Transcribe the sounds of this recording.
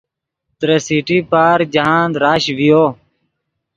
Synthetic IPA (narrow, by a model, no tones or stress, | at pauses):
t̪ɾesiːʈiːpaːɾd͡ʒəɦãːnd̪ɾaːʃʋijoː